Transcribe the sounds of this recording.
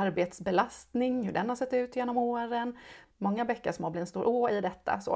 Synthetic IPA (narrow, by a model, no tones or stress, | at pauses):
aɾbeːt̪sbɛlast̪nɪŋhɵɖɛnhaʂɛt̪ːʉ̟ːt̪jeːnɔmoːɾənmɔŋːabɛkːəʂɔmoːb̪ɪnst̪uːɾʔoːɪd̪ɛt̪ʰːa̰so̰ː